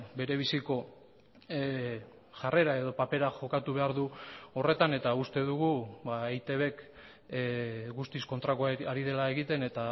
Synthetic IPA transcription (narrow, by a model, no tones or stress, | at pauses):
be̞ɾe̞βisiko̞ | ʝare̞ɾae̞ðo̞pape̞ɾaxo̞kat̪uβe̞aɾðuo̞re̞t̪ane̞t̪aust̪e̞ðuɣ̞uβaejt̪eβe̞k | ɡust̪isko̞nt̪ɾakoaɾið̞e̞lae̞ɣit̪e̞ne̞t̪a